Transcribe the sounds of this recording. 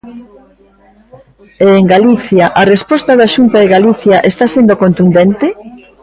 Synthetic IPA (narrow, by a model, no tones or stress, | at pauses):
eːŋɡaliθjaʔarespɔst̪ɐðaʃunt̪aðɪɣaliθjaʔest̪asend̪okont̪und̪ent̪ɪ